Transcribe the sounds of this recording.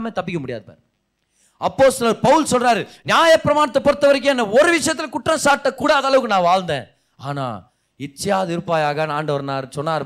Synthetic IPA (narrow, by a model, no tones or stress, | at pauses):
meːt̪ɐpːɪkːɐmʊɽɪjaːðɯpa̰ːɾ | ɐpːoːst̪ɐlɐɾpɐʋɯlsɔlraːɾɯnɪjaːjɐpːɪɾɐmaːnɐt̪ːɐpɔɽɯt̪ːɐʋɐɾɛk̬ːɯ̃ɛnːɐ̃ɔɾɯʋɪʂɐjɐt̪ːɪlkʊʈːrɐ̃saːʈːɐkːuːɽaːðaːlɐʋɯkːɯnãːʋaːɻnd̪ẽː | aːna̰ː | ɪt͡ʃːɐjaːʋɐðɐʋɪɾɯpːaːjaːɣɐnaːɳɖɐʋɐɾnaːɾɯsɔnːaːɾ